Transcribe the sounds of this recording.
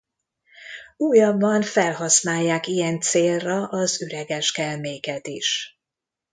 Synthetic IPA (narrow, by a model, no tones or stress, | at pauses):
uːjɒbːɒɱfɛlɦɒsnaːjːaːkijɛnt̪seːlrɒʔɒzøɾɛɡɛʃkɛlmeːkɛt̪iʃ